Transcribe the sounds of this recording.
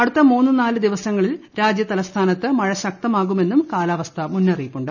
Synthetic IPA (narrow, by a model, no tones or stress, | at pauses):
ɐɽut̪ːɐmuːnːɨnaːlɨd̪iʋɐsɐŋːɐɭilɾaːd͡ʑjɐt̪ɐlɐst̪ʰaːnɐt̪ːɨmɐɻɐɕɐk̚t̪ɐmaːɣume̞nːumkaːlaːʋɐst̪ʰɐmunːɐrijikːuɳɖɨ